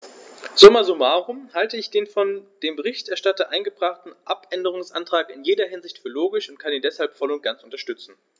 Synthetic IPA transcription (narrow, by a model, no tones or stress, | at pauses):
z̥omazomaːʁʊmhaltəɪçd̥eːnfɔnd̥eːmbəʁ̞ɪçtɛɐʃtatɐʔaɪnɡəbʁaχtn̩ʔapʔɛndəʁ̞ʊŋsʔa̰ntʁ̥aːkɪnjeːdɐɦɪnzɪçtfyːɐloːɡɪʃʊntkʰaniːndɛshalpfɔlʊnt̚ɡ̥ant͡sʊntɐʃtʏt͡sn̩